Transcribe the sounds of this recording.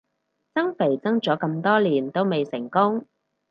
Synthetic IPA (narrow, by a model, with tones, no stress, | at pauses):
t͡sɐ˥ŋfe˨˩jt͡sɐ˥ŋt͡sɔː˨˥kɐ˧mt̪ɔː˥liː˨˩nt̪o˥wme˨jsɪ˨˩ŋkʊ˥ŋ